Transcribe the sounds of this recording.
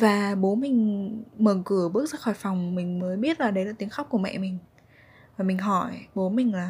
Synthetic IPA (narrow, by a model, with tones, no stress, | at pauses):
vaː˨˩ɓo˨˦mï˨˩ŋ̟məː˨˩kɨ˧˩əɓɨ˦˥ək̚zə̰ː˧˥kxɔ˧˩jfa˨˩wŋ͡mmï˨˩ŋ̟məː˨˦jɓi˦˥ət̚laː˨˩ɗə˨˦jlaː˨˩t̪i˨˦əxa˦˥k͡p̚ku˧˩əmɛ̰˧˨mï˨˩ŋ̟ | vaː˨˩mï˨˩ŋ̟ɦɔ˧˩jɓo˨˦mï˨˩ŋ̟laː˨˩